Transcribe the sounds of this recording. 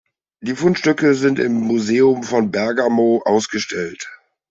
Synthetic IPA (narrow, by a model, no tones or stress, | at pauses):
d̥iːfʊnʃtʏkəzɪntɪ̰mːuzeːʊmfɔnbɛɐɡamoʔaʊsɡ̥əʃtʰɛlt